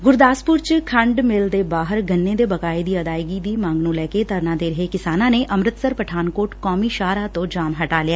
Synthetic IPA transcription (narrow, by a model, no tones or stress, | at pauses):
ɡʊɾd̪aːspʊɾt͡ʃkʰəɳɖmɪld̪eːbaːɦəɾɡənːẽːd̪eːbəkaːid̪iːəd̪aːjɡiːd̪iːmãːŋɡnũːlɛːket̪əɾnaːd̪eːɾəɦekɪsaːnãːneːʔəmɾət̪səɾpəʈʰaːnkoːʈkɔːmiːʃaːɾaːt̪õːd͡ʒaːmɦəʈaːlɪaː